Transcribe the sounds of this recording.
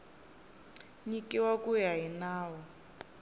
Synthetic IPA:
ɲikʼiwakujaɦinaːwɔ

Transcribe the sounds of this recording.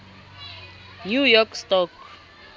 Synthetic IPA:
njujɔkstɔk

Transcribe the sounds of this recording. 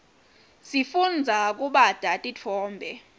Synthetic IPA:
sifund͡zʱak̬ʼuɓad̥ʱatʼit͡fʰɔːmbʱɛ

